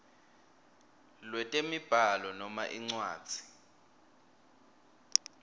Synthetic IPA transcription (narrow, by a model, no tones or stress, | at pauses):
lwɛtʼemib̥ʱalɔnɔmaʔiŋ͡ǀwaːd̥z̥ʱi̥